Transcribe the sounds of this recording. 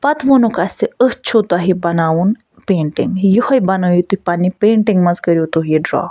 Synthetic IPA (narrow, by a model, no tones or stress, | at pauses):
pɐt̪ʰʋonukɐsiəht͡ʃʰot̪ɐɦibɐnaːwun | peːɳʈiŋɡjuhɐjbɐnojit̪uipanipeːɳʈiŋɡmɐzkəɾjot̪ujiɖɾɔ̰ː